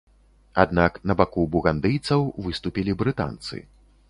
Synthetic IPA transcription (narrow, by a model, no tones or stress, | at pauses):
ad̪naknɐbakubuɣand̪ɨjt̪sɐwvɨst̪upʲilʲibɾɨt̪a̰nt̪sɨ̰